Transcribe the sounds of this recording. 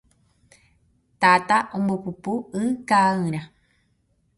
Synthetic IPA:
t̪at̪aʔombopupuɨ̃kaɨ̃ɾ̃ã

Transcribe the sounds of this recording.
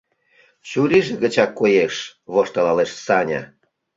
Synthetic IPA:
t͡ɕuɾiʒĕɣə̆t͡ɕɑkːojeʃβoʃt̪ɑlɑleʃsɑnʲɑ̰

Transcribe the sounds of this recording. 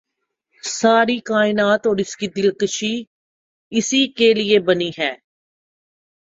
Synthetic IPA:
saːɾikaːɪnaːt̪ɔːɾɪskid̪ɪlkəʃi | ɪsikeliebɐniɦɛː

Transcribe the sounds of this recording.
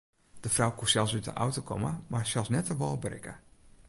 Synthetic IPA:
d̥əfrawkusɛlˠsytə̰ʔa̰wtokʰɔməmarsɛlˠsnɛtəʋɔlˠbrɪ̰kə̰

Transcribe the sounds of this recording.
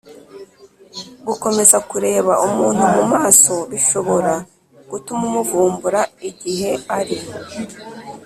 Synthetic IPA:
ɡuko̞me̞zakuɾe̞ːβaʔumuːn̥humumaːso̞βiʃo̞βo̞ɾa | ɡ̥utumumuvuːmbuɾaiɟiɦe̞aɾi

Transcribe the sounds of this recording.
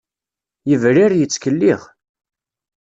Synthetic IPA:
jəvɾiɾjət͡sːkəlːiʁ

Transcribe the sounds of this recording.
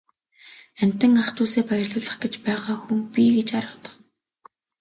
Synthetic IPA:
æm̥ʲt̪ɘ̆ŋaχt̪uːseːpæjə̆rɮʊːɮə̆χɡet͡ɕpæːʁaːxuŋpʲiɡet͡ɕaɾə̆wt̪ə̆χ

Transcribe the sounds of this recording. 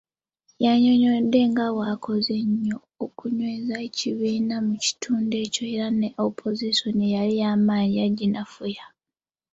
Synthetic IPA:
jaɲoɲo̞d̪e̞ŋɡawakʰo̞ze̞ɲːo̞ːkuɲwe̞ːzaeciβiːnamuci̥tʰuːnde̞ːco̞eɾaneʔopʰo̞ziʃo̞niejalijaːmaːɲiaɟinafuja

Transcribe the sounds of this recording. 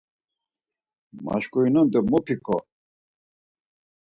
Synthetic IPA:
ma̰ʃkʼuinɔnd̪əmɔpʰikʰɔ

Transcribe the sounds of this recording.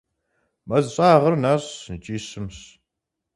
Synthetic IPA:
mɐzɕʼaːʁərnaːɕt͡ʃʼiːɕɨmɕ

